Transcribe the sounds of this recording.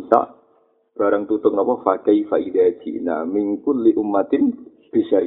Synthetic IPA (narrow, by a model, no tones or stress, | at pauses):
sa̰ʔ | b̥aɾaŋt̪ut̪ʊŋapafakaifaʔidad͡ʒḭʔna̰miŋkʊnliʔumːat̪ɪn | b̥isa